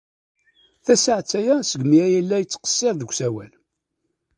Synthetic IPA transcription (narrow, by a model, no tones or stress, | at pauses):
θæsəʕt͡sːæjæsəɡmiæjælːæjət͡sːqə̥sːɪɾðəkʷsæwæl